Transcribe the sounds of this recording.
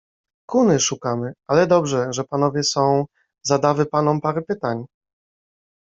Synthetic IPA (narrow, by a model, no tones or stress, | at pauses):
kunɘʂukamɘalɛd̪ɔbʐɛʐɛpanɔvʲjɛsɔ̃w̃ | zad̪avɘpan̪ɔmpaɾɛpɘt̪aɲ